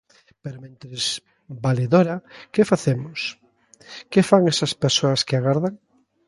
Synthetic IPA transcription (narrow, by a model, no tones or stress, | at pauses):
peɾomẽnt̪ɾez | baleðoɾɐkefaθemʊs | kefaŋɛsɐspeɾsoɐskeaɣaɾðaŋ